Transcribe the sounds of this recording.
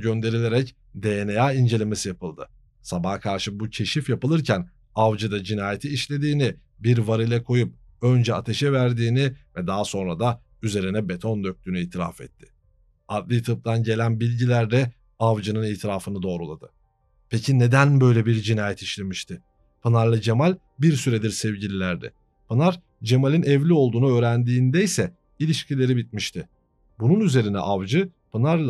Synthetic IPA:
ɟø̞nd̪e̞ɾilʲeɾɛc | d̪enejaːind͡ʒe̞lʲeme̞sijapɯlˠd̪ɯ | sabahkʰaɾʃɯbucʰe̞ʃifjapɯlˠɯɾcʰæn | avd͡ʒɯd̪ad͡ʒinaːjet̪ʰiːʃlʲe̞d̪iːnɪ | biɾvaɾɯlʲɛkʰo̞jup̚ | ø̞nd͡ʒɛat̪ʰe̞ʃɛvæɾd̪iːnɪvɛd̪aɦso̞nɾad̪a | yze̞ɾinɛbe̞t̪ʰo̞nd̪ø̞c̚t̪ʰyːnyiːt̪ʰiɾa̰fɛ̰t̪ʰːɪ̥ | ad̪lˠit̪ʰɯp̚t̪ʰanɟe̞lʲænbilʲɟilʲæɾd̪ɛ | avd͡ʒɯnɯniːt̪ʰiɾaːfɯnɯd̪o̞ːɾulˠad̪ɯ | pʰecʰine̞d̪ænbø̞jlʲɛbiɾd͡ʒinaːjɛt̪ʰiʃlʲe̞miʃt̪ʰɪ | pʰɯnaɾlˠad͡ʒemalʲ | biɾsyɾed̪iɾsɛvɟilʲilʲæɾd̪ɛ̰ | pʰɯnaɾ | d͡ʒe̞malʲinɛvlʲio̞lˠd̪uːnuøːɾænd̪iːnd̪ɛjsɛ | ilʲiʃcʰilʲe̞ɾibit̪̚miʃt̪ʰɪ | bununyze̞ɾinɛ̰ʔavd͡ʒɯpʰɯnaɾlˠ

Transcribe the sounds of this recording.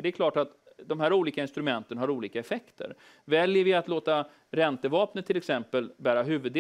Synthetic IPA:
ɖɛɛkʰlɑːʈat̪d̪ɔmɦæːɾuːliːkaɪnst̪ɾɵmɛnt̪ənɦaɾuːliːkaɛfɛkt̪ʰə̰ɾ | vɛljəɾvɪat̪loːt̪a | ɾɛnt̪əvɑːpnət̪ʰːɪlːɛksɛmpəlbæːɾaɦʉ̟ːvɵd̪

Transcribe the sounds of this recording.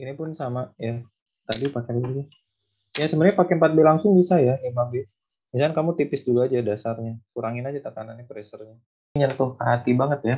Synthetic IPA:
inipʊnsamaja | t̪adipakeləd | jasəmənɲapakempat̪̚belaŋsʊŋbisajanimaŋbe | mis̬alkankamut̪ipɪsduluad͡ʒadasarɲakuɾaŋɪnad͡ʒat̪akananjapɾɛsərɲa | ɲant̪ʊɦat̪ibaŋət̪ja

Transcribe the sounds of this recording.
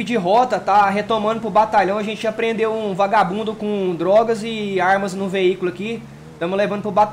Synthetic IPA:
ɪd͡ʒɪɦɔt̪ɐt̪aɦet̪omɐ̃nd̪ʊpɾʊbat̪aʎɐ̃w̃ɐʒẽnt͡ʃɪɐpɾẽnd̪ewũvaɡabũnd̪ʊkõd̪ɾɔɡɐzɪaɾmɐznʊ̃veikʊlʊɐki | t̪ɐ̃mʊzlevɐ̃nd̪ʊpɾʊbat̪

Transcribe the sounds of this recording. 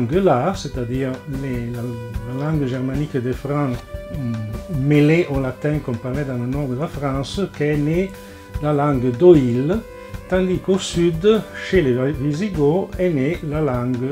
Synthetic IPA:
ŋɡəlaset̪ad̪iːʁlelalalɑ̃ŋɡəʒɛʁmanikəd̪əfɾɑ̃s | meleʔolat̪ɛ̃kõmpaʁlɛd̪ãnlenɔʁd̪əlafɾɑ̃nsəkɛne | lalãŋɡəd̪oil | t̪ɑ̃nd̪ikosyd̪ʃeleviziɡoɛnelalãŋɡə

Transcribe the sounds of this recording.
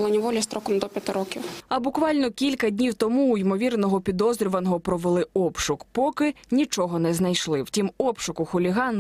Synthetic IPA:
lˠɐnʲiʋɔlʲist̪ɾɔkɔmd̪ɔpʲjɐt̪ɪɾɔkʲiwɐbʊkʋɑlʲnɔkʲilʲkɐdʲnʲiwt̪ɔmuːjimɔʋʲirnɔɦɔpʲid̪ɔzɾʲiʋɐnɔɦɔpɾɔʋelˠɪɔpʃʊkpɔkɪnʲit͡ʃɔɦɔnɛznɐjʃlˠɪwtʲimɔpʃʊkʊxʊlʲiɦɑn

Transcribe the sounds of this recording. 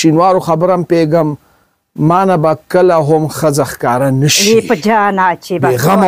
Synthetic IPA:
ʃinwɑɾoxabɾampeɡəmː | ɑnabakəlaɦʊmxəzaxkɑɾanəʃiepəd͡ʒaːnaːt͡ʃebeɣam

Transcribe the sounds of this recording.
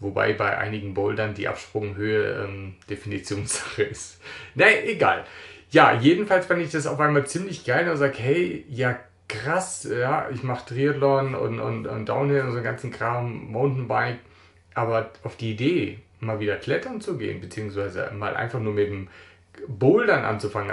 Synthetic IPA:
voba̰ɪbaɪʔa̰ɪnɪɡŋ̩bɔldandiːʔa̰pʃpʁ̥ʊŋɦøːəʔɛ̰ːmd̥efinit͡sjoːnsz̥ḁχəʔɪstnɛʔeɡa̰ːlja̰ːjeːdn̩falsfandəɪçd̥as̬a̰ʊfʔaɪnmaːlt͡siːmlɪçɡ̥aɪldazaːɡəɦɛɪjaː | kʁ̥asjaːɪçmaχə̥tʁ̥iatlɔnʊ̰ntʊ̰ntʊ̰ntd̥a̰ʊnɛʊnzonɡant͡sn̩kʁ̥aːmːaʊntn̩baɪk̚ | ʔaːbɐʔaʊfd̥iːideː | maːlviːdɐkʰlɛtɐnt͡suɡḛːənbət͡siːʊŋsv̥aɪzə̰ma̰ːlʔa̰ɪnfaχnuːɐmɪt̚m | boldanʔa̰nt͡sufaŋən

